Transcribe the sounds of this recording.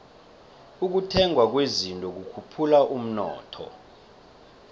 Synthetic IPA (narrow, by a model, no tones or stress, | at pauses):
uk̬utʰɛŋwak̬wezintʼɔk̬ukʰupʰulaʔum̩nɔ̰ːtʰɔ̰